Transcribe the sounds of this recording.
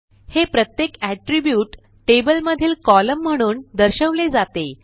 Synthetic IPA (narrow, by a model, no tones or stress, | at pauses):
hepɾət̪jekæʈɾibjuːʈː | ʈebəlməd̪ʱiːlkɔləm̤ːəɽ̃uːnd̪əɾɕəʋled͡zat̪e